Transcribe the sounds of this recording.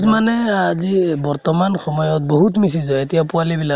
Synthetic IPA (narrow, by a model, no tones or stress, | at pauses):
zmanɛazibɔɹtɔmanxɔmɔjɔt̚boɦutmisizɔetijapualibila